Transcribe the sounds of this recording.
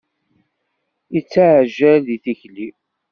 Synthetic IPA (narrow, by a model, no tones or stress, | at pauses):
it͡sːaʕʒælðiθiçli